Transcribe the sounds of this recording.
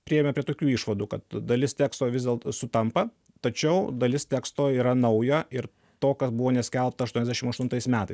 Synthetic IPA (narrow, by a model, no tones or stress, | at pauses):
pʲɾʲɪɛmʲɛpʲɾʲiɛt̪oːkʲuːɪʃʋɐd̪uːkɐt̪d̪ɐlʲɪst̪ʲæːkst̪oːʋʲɪzd̪ʲeːlˠt̪sʊt̪ɐmpɐ | t̪ɐt͡ʃʲɛʊd̪ɐlʲɪst̪ʲæːkst̪oːiːɾɐnɐʊjoːɪɾ | t̪oːkɐsbʊʋoːnʲɛsʲkʲɛlˠp̚t̪ɐʃt̪uɔnɛzd̪ʲæɛʃʲɪmɐʃt̪ʊnt̪ɐɪsmʲæːt̪ɐɪ